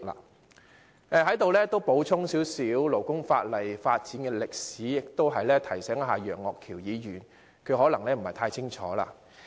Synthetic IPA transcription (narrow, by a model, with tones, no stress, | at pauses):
la̰ː˨˧ | ɛː˧ɦɐ˨˥jt̪o˨wlɛː˥t̪wpo˨˥wt͡sʰʊ˥ŋsi˨˥wsiː˨˥wlo˨˩wkʊ˥ŋfa̰ː˧t̚lɐ˨jfaː˧t̚t͡siː˨˥nkɛː˧lɪ˨k̚siː˨˥jɪ˨k̚t̪o˥wɦɐ˨jlɛː˥t̪ʰɐ˨˩jsɛː˨˥ŋ˥ɦaː˨jœː˨˩ŋɔ̰ː˨kʰːiː˨˩wjiː˨˧jyː˨˩n | kʰɵ˨˧ɥɦɔː˨˥lɐ˨˩ŋlɛː˥m̩˨˩hɐ˨jt̪ʰaː˧jt͡sʰɪ˥ŋt͡ʃʰɔ̰ː˨˥la̰ː˧